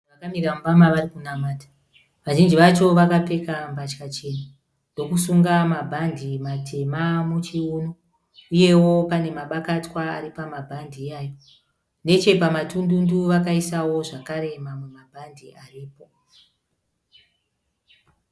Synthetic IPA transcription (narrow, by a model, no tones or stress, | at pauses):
akamiramubamaʋarikunamaːtḁ | ʋaʒind͡ʒiʋat͡ʃo̞ʋakape̞kampat͡ʃkat͡ʃe̞na | ndo̞kusuŋɡamabʱandʱimatʰe̞mamut͡ʃiuːno | uje̞wo̞pane̞maɓakatwaa̰ɾipamabʱandijaijo | ne̞t͡ʃe̞pamatundunduʋakaisawo̞ʐakaɾe̞mamwe̞mabʱandiʔariːpo̞